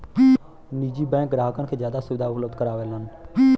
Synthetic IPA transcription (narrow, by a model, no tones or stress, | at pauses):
niːd͡ʒiːbɛ̃ːk̚ɡɾaːɦkəɳkʰeːd͡ʒjaːd̪aːsʊʋɪd̪ʱaːʊpləbd̪kəɾaːʋeːlən